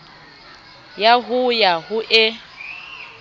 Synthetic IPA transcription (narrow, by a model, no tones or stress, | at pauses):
jaɦʊjaɦʊʔɪ